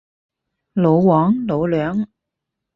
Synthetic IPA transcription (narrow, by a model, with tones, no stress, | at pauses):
lo˨˥wwɔː˨˥ŋlo˨˥wlœː˨˥ŋ